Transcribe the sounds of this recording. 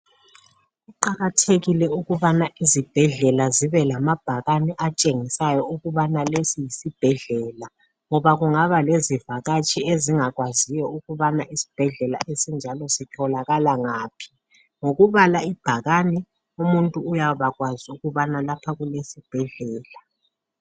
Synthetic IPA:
ɣuǃaɣatʰeɣilɛuɣuβanaʔizib̥ʱɛɮɛlaziβɛlamab̥ʱaɣanɛʔat͡ʃʼeŋisajɔuɣuβanalesijisib̥ʱɛɮɛːla | ŋɔβaɣuŋaβalezivaɣat͡ʃʼieziŋaɣwazijɔuɣuβanaʔisi̥b̥ʱɛɮɛla̰ʔesind͡ʒʱalɔsitʰɔlaɣalaŋaːpʰi̥ | ŋoɣuβalaib̥ʱaɣanɛ | umuntʼuːjaβaɣwaziuɣuβanalapʰaɣulesib̥ʱɛɮɛːla

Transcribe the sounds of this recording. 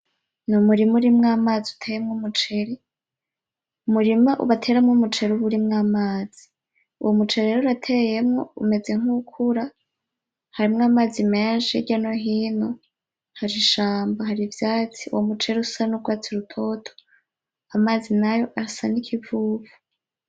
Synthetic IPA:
numuɾimuɾimŋaːmaːziutʰejemŋumut͡ʃe̞ɾi | umuɾimaʔṵβatʰe̞ːɾamŋomut͡ʃe̞ɾuβuɾimŋaːmaːz̥i̥ | ṵwomut͡ʃeɾiɾeːɾuɾatʰeje̞mŋo̰ume̞ze̞ŋ̥ukʰuɾa | haɾimŋaːmaːzimeːnʃiɟanoɦiːno̞ | haɾiʃaːmbaɦaɾivjaːt͡siṵwomut͡ʃe̞ɾiusanuɡwaːt͡siɾutʰo̞ːtʰo̥ | amaːzinajo̞ʔaɾasanikʰivuːvu

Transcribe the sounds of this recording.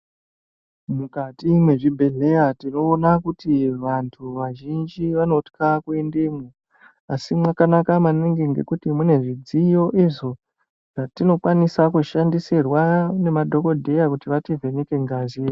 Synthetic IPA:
mukatimwe̞ʐibʱe̞ɮe̞jatino̞ːnakutiʋantʰuʋaʒind͡ʒiʋano̞tkakue̞ndemo | asimwakanakamaneŋɡeŋɡe̞̰kutimune̞ʐid͡zijo̞ʔiʐo̞ | ʐ̥atino̞kwanisakuʃandisirwane̞madʱo̞ko̞dʱe̞jakutiʋativʱe̞neke̞ŋɡaːzi

